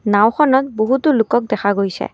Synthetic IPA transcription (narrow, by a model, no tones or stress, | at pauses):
nawxʰɔnɔt̚boɦutʊlʊkɔk̚dɛxʰaɡojsɛ̰